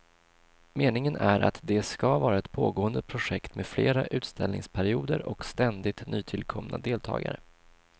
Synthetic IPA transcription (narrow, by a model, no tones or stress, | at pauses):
meːnɪŋənæɾʔa̰t̪d̪ɛskavɑːɾaɛt̪pʰoːɡoːənd̪əpʰɾʊʂɛkt̪meːd̪fleːɾaʔʉ̟ːt̪st̪ɛlnɪ̰ŋspʰæɾɪuːd̪əɾʔɔkst̪ɛnd̪ɪt̪nyːt̪ʰɪlkʰɔmna̰d̪eːlt̪ʰɑ̰ːɡa̰ɾə